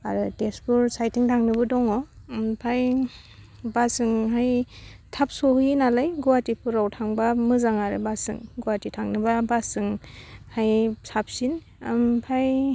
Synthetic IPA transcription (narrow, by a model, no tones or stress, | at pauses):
aɾɯtespʰuɾsajtiŋtʰaŋnɯbɯdɔŋɔmpʰaj | basɯŋɦajtʰap̚sɔhinalajɡuwatipʰuɾawtʰaŋbamɯzaŋaɾɯbasɯ̰ŋɡuwatitʰaŋnɯbabasɯŋhajsap̚sin | mpʰaj